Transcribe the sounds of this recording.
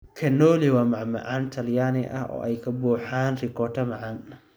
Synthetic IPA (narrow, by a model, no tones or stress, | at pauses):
kʰɐnːɔːliwaːmɐʕmɐ̰ʕaːnt̪ʰɐljaːnɪʔɐ̰hʔɔ̰ːʔɛjkʰɐbuːħaːnrɪkʰɔːt̪ʰɐmɐʕɑn